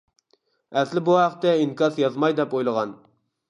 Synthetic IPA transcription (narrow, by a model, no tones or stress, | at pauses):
ɛslɪbuɦæqt̪ːɛiŋkɑsjɑzmɑjd̪ɛpojlˠəʁɑn